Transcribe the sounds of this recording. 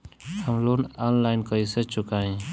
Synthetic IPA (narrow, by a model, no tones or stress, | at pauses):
həmlonanlaɪnkəisət͡ʃʰʊkaĩ